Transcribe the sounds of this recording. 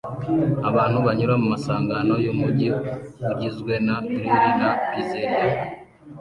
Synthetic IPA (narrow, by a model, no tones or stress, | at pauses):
aβaːn̥huβaɲuɾamumasaːŋɡano̞jumuɟiuɟizɡwe̞naɾiɾinapizeɾja